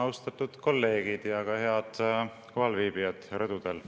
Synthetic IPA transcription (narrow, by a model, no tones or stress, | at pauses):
ɑwst̪ɑt̪ːˑud̪̥ko̞lːe̞ːɡ̥id̪̥jɑkɑhe̞ɑd̪̥ | koɦɑlviːb̥ijɑd̪̥ɾɤd̪̥ud̪̥e̞l